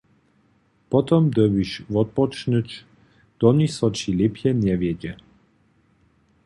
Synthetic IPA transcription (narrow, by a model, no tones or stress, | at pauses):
pɔt̪ɔmd̪əbiʃvɔt̪̚pɔt͡ʃnət͡ʃ | d̪̥ɔnisɔt͡ʃilepʰjɛnʲɛvjɛɟɛ